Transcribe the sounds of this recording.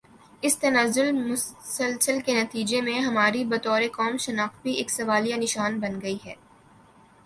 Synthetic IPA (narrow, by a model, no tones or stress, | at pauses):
ɪst̪ɐnazʊlmʊsəlsəlkenɐt̪iːd͡ʒemẽɦɐmaːɾibɐt̪ɔːɾekɔːmʃɐnaːxbʱieːksɐʋaːlijanɪʃaːnbɐnɡɐiɦɛ̰ː